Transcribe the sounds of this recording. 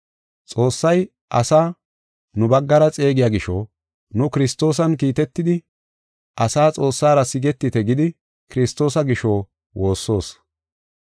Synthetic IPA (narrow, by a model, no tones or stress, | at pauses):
t͡sʼo̞ːsːɐj | ʔɐsaː | nʊbɐɡːɐɾɐt͡sʼe̞ːɡɪjaːɡɪʃoː | nʊkɪɾɪst̪o̞ːs̬ɐnkiːt̪ɛt̪ːɪd̪ɪ | ʔɐsaːt͡sʼo̞ːsːaːɾɐsɪɡɛt̪ːɪt̪ɛɡɪd̪ɪ | kɪɾɪst̪ːo̞ːsɐɡɪʃo̞ː | wo̞ːsːo̞ːs